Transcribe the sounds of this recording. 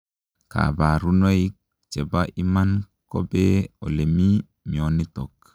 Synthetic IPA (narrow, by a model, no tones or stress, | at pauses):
ka̰baɾunoik̚ | t͡ʃɛbaʔiman | kɔbɛɔlemi | mionitɔk